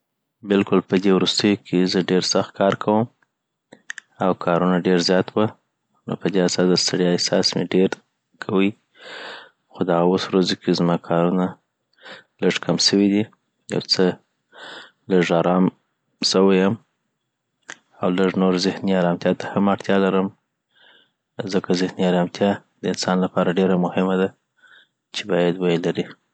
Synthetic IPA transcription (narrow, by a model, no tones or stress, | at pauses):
bɪlkʊlpəd̪ewɾust̪əjokʰezəɖeɾsaxt̪̚kʰɑɾkʰawəm | awkʰɑɾunaɖeɾzjɑt̪wə | no̰pəd̪easɑsd̪əst̪aɽjɪsɑsmeɖeɾ | kʰawəj | xod̪aɣawoswɾazokʰezmɑkʰɑɾuna | ləʐkʰamsəwid̪i | ja̰wt͡sə | ləʐɑɾɑm | səwajam | awləʐnoɾzɪhniɑɾɑmt̪ʰjɑt̪ahamaɽt̪ʰjɑlaɾəm | zəkazɪhniɑɾɑmt̪ʰjɑd̪̥əɪnsɑnlapɑɾaɖeɾamʊhɪmad̪a | t͡ʃebɑjad̪wajlaɾi